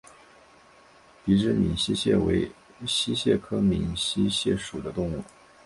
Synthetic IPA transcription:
pi˧˥ʈ͡ʂɻ̩˥˩mḭ˨˩nɕi˥ɕjɛ̰˥˩wḛ˧˥ɪ | ɕi˥ɕjɛ̰˥˩kʰɤ˥mi˨˩nɕi˥ɕjɛ˥˩ʂu˨˩d̪ə˦t̪ʊ˥˧ŋu˥˩

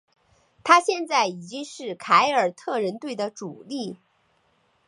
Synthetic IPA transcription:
t̪ʰa˥ɕjɛ˥˧nt͡sa˥˩ɪi˨˩t͡ɕi˥ŋʂɻ̩˥˩kʰa˧˥ɪə˞˨˩t̪ʰɤ˥˩ɻə˧˥nt̪we˥˩ɪd̪ə˩ʈ͡ʂu˨˩li˥˩

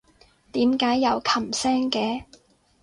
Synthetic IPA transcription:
t̪iː˨˥mkaː˨˥jːɐ˨˧wkʰɐ˨˩msɛː˥ŋkɛː˨˧

